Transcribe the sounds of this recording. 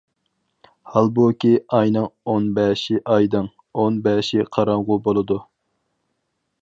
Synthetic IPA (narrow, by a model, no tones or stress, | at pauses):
hɑlˠbukʲiɑjnɨŋonbɛʃɪʔɑjd̪ɨŋ | onbɛːʃɪqʰɑɾɑŋʁʊbolˠɨd̪u